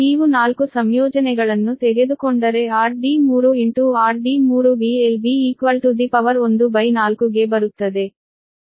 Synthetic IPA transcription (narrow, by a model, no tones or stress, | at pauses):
iːʋunaːlkusɐmjɔːd͡ʒɐnɛɡɐɭɐnːut̪eɡe̞d̪ukoɳɖɐɾe̞aːɾɖimuːɾuent̪uaːɾɖimuːɾubielbiːkʋɐlt̪ud̪ipɐʋɐɾo̞nd̪ubɐjnaːlkuɡe̞bɐɾut̪ːɐd̪e̞